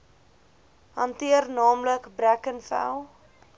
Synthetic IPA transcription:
ɦɐntiərnɑːmləkbɾækənfæ̰lˠ

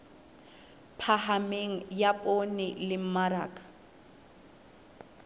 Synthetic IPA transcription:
pʰahameŋ̩japʼonɪlɪm̩maɾaːkʼḁ

